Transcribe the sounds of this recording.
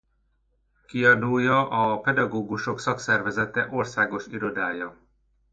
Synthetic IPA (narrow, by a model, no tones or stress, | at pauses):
kiɒd̪ujːɒʔɒpɛd̪ɒɡoːɡuʃo̞ksɒksɛrvɛzɛt̪ɛʔo̞rsaːɡo̞ʃiɾo̞d̪aːjɒ